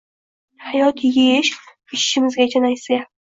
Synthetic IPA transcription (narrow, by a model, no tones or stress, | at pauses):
hajɒt̪jeʃ | ɪʃɪːɪmɪzɡʲad͡ʒanajsa